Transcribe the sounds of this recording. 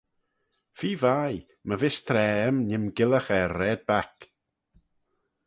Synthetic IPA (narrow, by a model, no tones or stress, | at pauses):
fiːvaj | məvɪst̪ʰɾɛːəmnɪmɡɪləxɛɾːɛːd̪̚bak